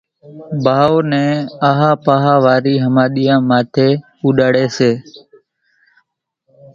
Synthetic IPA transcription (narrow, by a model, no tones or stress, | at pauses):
bʱaːoːnɛ̃ːaːɦaːpaːɦaːʋaːɾiːɦəmaːɗijãːmaːt̪ʰeː | uːɗaːɽeːseː